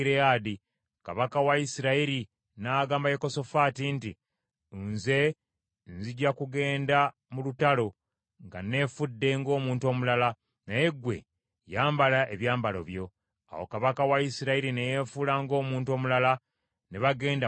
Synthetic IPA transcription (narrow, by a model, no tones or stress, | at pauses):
ɾeaːdi | ka̰βakawaisiɾaiɾi | naːɡaːmbajeko̞so̞faːtinti | nze̞ | nziɟakuɡe̞ːnda | mulutalo̞ | ŋɡane̞ːfudːe̞ŋɡo̞ːmuːntuo̞ːmulala | naje̞ɡwe̞̰ | jaːmbalaʔeβjaːmbalo̰βjo̞ | a̰wo̞̰kaβakawaisiɾaiɾinejefulaŋɡo̞ːmuːnto̞ːmulala | neβaɡe̞ːnda